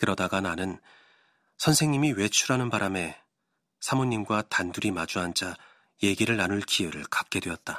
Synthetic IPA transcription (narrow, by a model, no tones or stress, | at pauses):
kɯɾʌdaɡananɯn | sʰʌnsʰe̞ŋɲimiwe̞t͡ɕʰuɾanɯnbaɾame̞ | sʰamoɲːimɡwatanduɾimad͡ʑuɦand͡ʑa | je̞ɡiɾɯɭːanuɭkʰiɯɾɯɭkḁk͈̚e̞dwe̞ʌt̚t͈a